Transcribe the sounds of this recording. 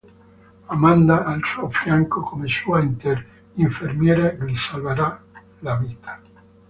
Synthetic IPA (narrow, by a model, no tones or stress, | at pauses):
amand̪aːlsuofjaŋkokʰomesuːaint̪eɾ | iɱfermjɛːɾaɡlisalvaɾa | laviːt̪ʰḁ